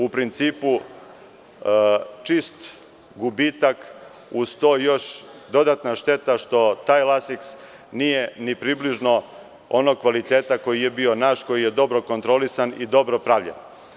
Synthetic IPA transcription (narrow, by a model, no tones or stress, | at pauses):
upɾint̪siːpu | t͡ʂist̪ | ɡubiːt̪ak | ust̪ojo̞ʃd̪o̞d̪at̪naʃt̪e̞t̪aʃt̪o̞t̪aːjlasiks | nijenipɾiːbliʒno̞ | ono̞ɡ̚kʋalit̪eːt̪ako̞jije̞bio̞naːʃko̞jije̞d̪o̞bɾo̞ko̞nt̪ɾo̞lisanid̪o̞bɾopɾaʋʎḛn